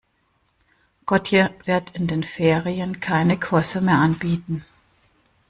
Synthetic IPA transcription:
ɡ̥ɔtʰjəvɪɐtɪndeːnfeːʁiənkʰaɪnəkʰʊɐsəmeːɐʔanbiːtn̩

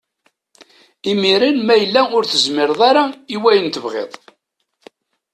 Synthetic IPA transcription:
imiɾinmæjəlːæʊɾθəzmɪɾðˤaɾaiwæjənt̪əvʁḛðˤ

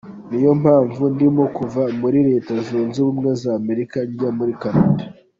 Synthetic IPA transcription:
nijo̞mhaːɱvundimo̞kuvamuɾiɾe̞ːtazuːnzuβumŋezame̞ɾikaɲɟamuɾikanada

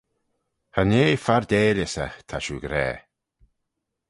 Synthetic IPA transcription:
haneːfaɹd̪eːlɪsət̪ʰaʃuɡɾɛ̰ː

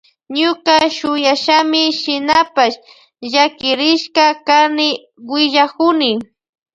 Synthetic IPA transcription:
ɲʊkaʃʊjaʃamɪʃɪnapaʃ | ʒakɪɾɪʃkakanɪ | wɪʎakʊnɪ

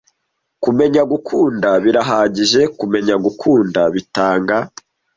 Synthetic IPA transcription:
kume̞ɲaɡukʰuːndaβiɾaɦaːɟiʒe̞kume̞ɲaɡukʰuːndaβitaːŋɡa

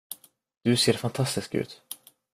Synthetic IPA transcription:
d̪̥ɵseːɾfant̪ʰast̪ɪskʉ̰ːt̪

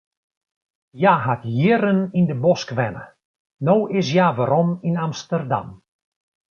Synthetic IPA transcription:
jaːɦatjɪrənindəbɔskʋɛnə̰ | nowʔɪs̬jaːʋaɾɔminamstərda̰m

